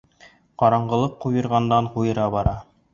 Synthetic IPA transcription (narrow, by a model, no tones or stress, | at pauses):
qɑɾɑɴɢɤ̆lˠɤqːujɤ̆ɾʁɑnd̪ɑɴqujɤ̆ɾɑbɑɾɑ